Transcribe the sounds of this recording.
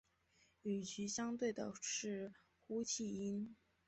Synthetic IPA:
y˨˩t͡ɕʰy˧˥ɕjɑ˥ŋt̪we˥˩ɪd̪ə̰˩ʂɻ̩˥˩ | xu˥t͡ɕʰi˥˩i˥n

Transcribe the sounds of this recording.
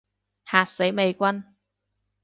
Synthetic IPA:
haː˨t̚se˨˥jme˨˧jkʷɐ˥n

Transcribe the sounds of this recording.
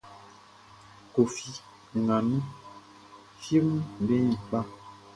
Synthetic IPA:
ko˨fi˨ | ŋa˨mĩ˦ | fji˦m˨bɛ̃˦˨ɓa˦

